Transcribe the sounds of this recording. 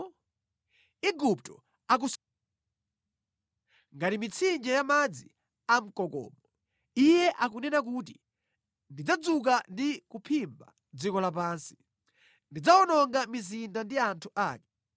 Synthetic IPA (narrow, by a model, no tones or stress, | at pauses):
iɡup̚tɔ | ak̬us | ŋɡatimit͡sʰind͡ʒɛjamad͡zi | am̩kɔkɔ̰ːmɔ | ijɛʔak̬unɛnak̬ut̬i | ndid͡zad͡zuk̬andikupʰimba | d͡zikɔlap̬aːnsi̥ | ndid͡zawɔnɔŋɡamizindandiantʰuʔaːkɛ